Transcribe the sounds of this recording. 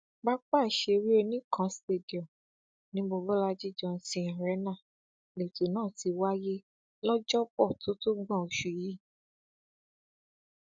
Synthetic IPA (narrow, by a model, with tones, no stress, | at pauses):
ba˦k͡pa˦˨ʃe˧ɾi˦e˧nĩ˦kʰã˦ste˧˨di˨ɔ˨ | nĩ˨˦bo˧bɔ˦la˧˦d͡ʒi˦˨d͡ʒɔ̃˧˦sĩ˧˦˨ɾɛ˨˦nã˦˨ | le˨to˨nãː˦˨ti˨˧wa˦je˦ | lɔ˦d͡ʒɔ˦k͡pɔ˦˨to˨˦to˦ɡ͡bã˦˨o˨ʃu˨ji˦˨